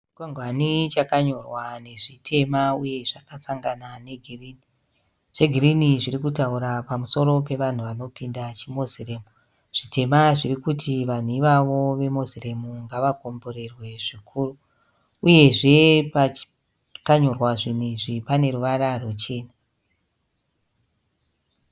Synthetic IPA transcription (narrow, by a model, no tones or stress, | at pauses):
t͡ʃkwaŋɡʱwanit͡ʃakaɲo̞rwane̞ʐitʰe̞mauje̞ʐakat͡saŋɡanane̞ɡʱiriːni | ʐ̥e̞ɡʱiɾiniʐiɾikutauɾapamuso̞ɾo̞pe̞ʋan̤uʋano̞pindat͡ʃimo̞zire̞ːmu | ʐ̥ite̞maʐirikutʰiʋan̤uiʋaʋo̞ʋe̞mozire̞muŋɡaʋaɡʱo̞mbo̞ɾe̞rwe̞ʐikʰuːru | uje̞ʐe̞pat͡ʃ | kaɲorwaʐin̤iʐipane̞ɾuʋaɾarot͡ʃe̞ːna